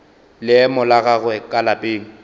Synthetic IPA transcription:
lɪɛmʊlaɣaɣʊɛkʼalapʼeːŋ̩

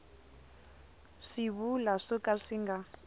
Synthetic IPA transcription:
ʂiβulaʂɔkaʂiŋɡa

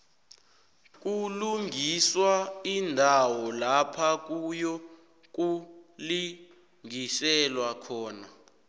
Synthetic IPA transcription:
k̬ʼuluŋiswaindʱawɔlapʰak̬ʼujɔ | k̬ʼuli | ŋisɛlwakʰɔːna

